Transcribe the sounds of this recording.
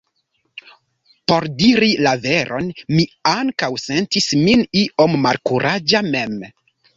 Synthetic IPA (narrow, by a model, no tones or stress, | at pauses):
po̞ɾdiɾilave̞ɾʔo̞̰nmiaŋkawsentisminiʔo̞mːalkuɾʔad͡ʒame̞m